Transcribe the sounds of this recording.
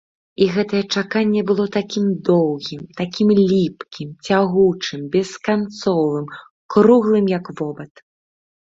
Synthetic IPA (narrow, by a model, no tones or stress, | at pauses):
iɣɛt̪ɐjɛt͡ʂakanʲːɛbɨlˠɔt̪akʲimd̪ɔwɣʲimt̪akʲimlʲipkʲimt͡sʲaɣut͡ʂɨmbʲɛskant̪sɔvɨm | kɾuɣlˠɨmjɐkvɔbɐt̪